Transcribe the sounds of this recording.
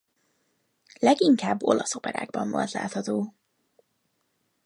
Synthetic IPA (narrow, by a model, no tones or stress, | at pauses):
lɛɡiŋkaːbːo̞lɒsopɛɾa̰ːɡbɒɱvolt̪la̰ːt̪hɒt̪oː